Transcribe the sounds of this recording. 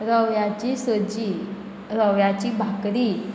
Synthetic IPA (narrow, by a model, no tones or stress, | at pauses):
ɾəʋjat͡ɕisəd͡ʑi | ɾəʋjat͡ɕibʱakɾi